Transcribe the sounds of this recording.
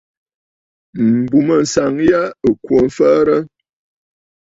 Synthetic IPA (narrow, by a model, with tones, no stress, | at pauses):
m̩˨bu˨mə˨n̩˨sa˨ŋja˦ə˨kwo˨m̩˦fə˦ɾə˦